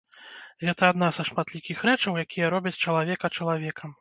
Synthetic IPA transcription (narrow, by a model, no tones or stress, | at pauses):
ɣɛt̪ɐːd̪nazɐʂmat̪lʲikʲixɾɛt͡ʂɐwjakʲijɐɾɔbʲɐt͡sʲt͡ʂɐlˠavʲɛkɐt͡ʂɐlˠavʲɛkʰɐm